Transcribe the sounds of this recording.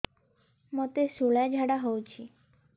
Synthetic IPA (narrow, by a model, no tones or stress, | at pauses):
mot̪esuɭad͡ʒʱaɽaɦowt͡ʃʰi